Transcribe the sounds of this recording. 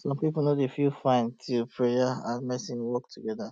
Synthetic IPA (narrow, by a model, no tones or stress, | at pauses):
sɔ̃mpipl̩nodefilfãɪ̃ntʰilpʰɹejaãnmɛsĩnwɔk̚tʰuɡɛda